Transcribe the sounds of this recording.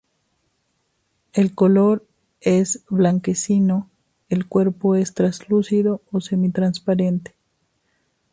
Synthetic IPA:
e̞lko̞lo̞ɾ | e̞zβlaŋke̞sino̞ | elkwe̞ɾpo̞e̞st̪ɾazlusiðo̞osemit̪ɾanspaɾe̞nt̪e̥

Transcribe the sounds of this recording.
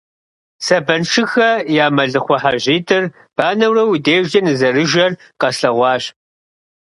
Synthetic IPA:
sɐbɐnʂɨxɐjaːmɐɮɨχʷɔħaʑiːtʰʼɨr | b̥aːnɐwrɐwideːʒd͡ʒɐnɨzɐrɨʒɐr | qɐsɬɐʁʷɑːɕ

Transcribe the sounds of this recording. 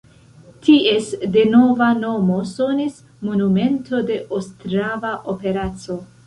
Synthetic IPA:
tie̞sde̞no̞vano̞mo̞so̞nis | mo̞nume̞nto̞de̞ʔostɾavaʔo̞pe̞ɾat͡so̞

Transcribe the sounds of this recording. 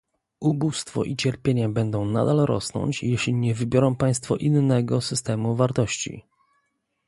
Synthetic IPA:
ʔubust̪fɔ̰ʔit͡ɕɛɾpʲjeɲabɛnd̪ɔ̃w̃na̰d̪alɾɔ̰snɔ̰ɲt͡ɕjɛɕlʲiɲɛvɘbʲjɔɾɔ̃w̃paj̃st̪fɔʔinːɛɡɔsɘst̪ɛmuvaɾt̪ɔɕt͡ɕḭ

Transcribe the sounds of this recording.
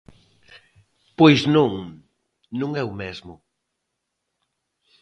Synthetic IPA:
pojznõŋ | nũŋɛʊmɛzmʊ

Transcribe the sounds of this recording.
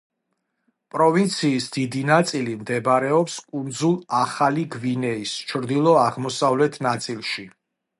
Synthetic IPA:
pʼɾɔvint̪sʰiːsd̪id̪inat̪sʼilimd̪ɛbɾɛɔpskʼund̪zulˠaχaliɡvinɛist͡ʃʰɾd̪ilˠɔaʁmɔsavlɛt̪ʰnat̪sʼilˠʃi

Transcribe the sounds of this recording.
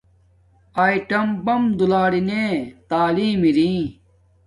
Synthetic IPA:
aːiʈɐmbɐmd̪ulaːɽineːt̪aːliːmiɾĩː

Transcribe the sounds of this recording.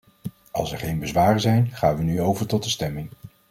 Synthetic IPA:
ɑ̰lˠsɛɹχejnbəzʋaːrəzɛjnχaːnʋənyowvəɹtɔt̚dəstɛmɪŋ

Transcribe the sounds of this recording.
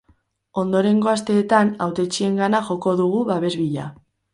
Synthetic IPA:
o̞nd̪o̞ɾe̞ŋɡo̞ast̪e̞ːt̪anawt̪e̞t͡ʃie̞ŋɡanaʝo̞ko̞ðuɣ̞uβaβe̞zβiʎa̰

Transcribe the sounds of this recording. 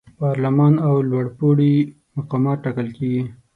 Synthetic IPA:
pɑɾlamɑnawlwaɽpuɽi | maqɑmɑt̪̚ʈːɑkəlkeɡi

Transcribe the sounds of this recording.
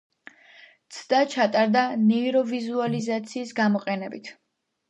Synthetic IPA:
t̪sʰd̪at͡ʃʰat̪ʼaɾd̪anɛiɾɔvizualizat̪sʰiːsɡamɔqʼɛnɛbit̪ʰ

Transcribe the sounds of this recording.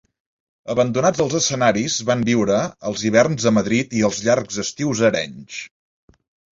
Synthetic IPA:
əβənd̪unad͡zd̪əlˠzəsənaɾizβambiwɾəəlˠziβ̞ɛrnzðəməðɾit̪iəlˠzʎarɡzəst̪iwzəɾɛɲt͡ʃ

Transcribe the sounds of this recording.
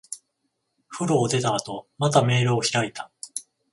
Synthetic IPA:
ɸɯ̟ɾoːd̪e̞t̪aːt̪o̞mat̪ame̞ːɾɯːçiɾait̪ḁ

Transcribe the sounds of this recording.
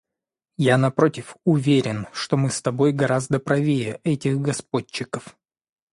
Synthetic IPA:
janɐpɾo̞tʲɪfʊvʲeɾʲɪnʂt̪o̞mɨst̪ɐbo̞jɡɐɾazd̪əpɾɐvʲejəʔɛtʲɪxɡɐspo̞t͡ɕːɪkəf

